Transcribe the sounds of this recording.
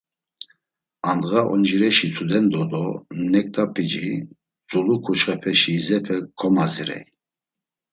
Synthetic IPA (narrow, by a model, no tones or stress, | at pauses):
and̪ɣaʔɔ̰nd͡ʒiɾɛʃit͡s̪ʰud̪ɛnd̪ɔd̪ɔnɛk̚ʼt̪ʼapʰʼid͡ʒi | t͡sʼulukʰut͡ʃχɛpʰɛʃizɛpʰɛkʰɔmaziɾɛ̰j